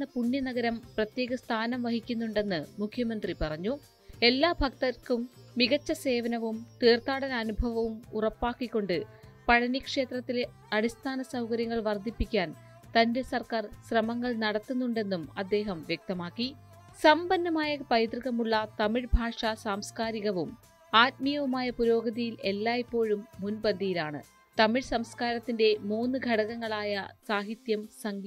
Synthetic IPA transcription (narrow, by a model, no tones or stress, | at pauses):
ɐpuɳjɐnɐɣɐɾɐmprɐt̪je̞ːɣɐst̪ʰaːnɐmʋɐɦikʲːunːuɳɖe̞nːɨmukʰjɐmɐnd̪ripɐrɐɲːu | e̞lːaːbʱɐkt̪ɐkumːiɣɐt͡ɕːɐse̞ːʋɐnɐʋumt̪eːrt̪aːɽɐnɐnubʱɐʋɐʋumurɐpːaːkːikːo̞ɳɖɨpɐɻɐnikʂe̞ːt̪rɐt̪ːile | ɐɽist̪ʰaːnɐsɐwkɐɾjɐŋːɐɭʋɐrd̪ʱːipːikʲːaːn | t̪ɐnde̞sɐrkaːrsrɐmɐŋːɐɭnɐɽɐt̪ːunːuɳɖe̞nːumɐd̪ːe̞ːɦɐmʋjek̚t̪ɐmaːkːi | sɐmbɐnːɐmaːjɐpɐjt̪rɨɣɐmuɭːɐt̪ɐmiɻbʱaːʂɐsaːmskaːɾiɣɐʋum | aːt̚mijɐʋumaːjɐpuɾo̞ːɡɐðijile̞lːaːipːo̞ːɻumːunbɐnd̪ʱijilaːɳɨ̰ | t̪ɐmiɻsɐmskaːɾɐt̪ːinde̞muːnːɨɡʱɐɽɐɣɐŋːɐɭaːjɐsaːɦit̪jɐmsɐŋɡi